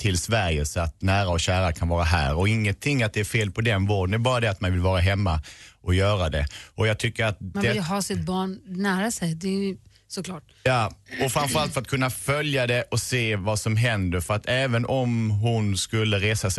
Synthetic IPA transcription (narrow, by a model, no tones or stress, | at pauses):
t̪ʰɪlsvæɾjəsɔat̪næːɾaɔɕæːɾakʰanvɑːɾaɦæ̰ːɾɔɪŋːənt̪ʰɪŋːat̪̚d̪ɛæɾfeːlpʰɔd̪ɛnvoːd̪ənd̪ɛɾbɑːɾad̪ɛat̪manvɪlvɑːɾaɦɛmːaʔɔjœːɾad̪ɛʔɔjɑːt̪ʰʏkːəɾat̪̚dmaɛɪɦɑːsɪt̪̚bɑːɳnæːɾasɛjd̪ɛ | sɔkʰlɑːʈ̚ | jɑːɔfɾamfœɾalt̪fœɾat̪̚kʰɵnːafœljad̪ɛʔɔseːvasɔmɦɛnd̪əɾfœɾat̪ʰɛːvənʔɔmɦʊnskɵlːəɾeːsas